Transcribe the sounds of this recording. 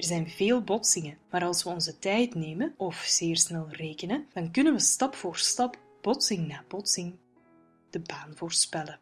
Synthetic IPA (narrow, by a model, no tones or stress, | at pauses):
ɛrzɛjnveːlˠbɔtsɪŋəmaːɾɑlˠsʋəɔnzətɛjtneːmənʔɔfz̥eːrsnɛlˠreːkənəd̥ɑnkɵnənʋəstɑpfoːrstɑp | b̥ɔtsɪŋnaːbɔtsɪŋ | d̥əbaːnvoːrspɛlə